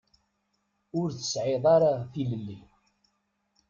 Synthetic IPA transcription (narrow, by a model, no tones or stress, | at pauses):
ʊɾθə̥sʕeðˤɑɾaθiləlːi